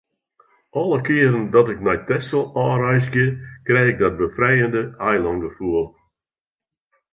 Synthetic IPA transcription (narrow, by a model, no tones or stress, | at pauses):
ɔlˠəkɪːɾəndɔtɪknɛjtɛsəlˠɔːɾɛjsɡɪkrɛjɪɡ̚dɔt̚bəfɾɛjəndəajlˠɔŋɡəfuəlˠ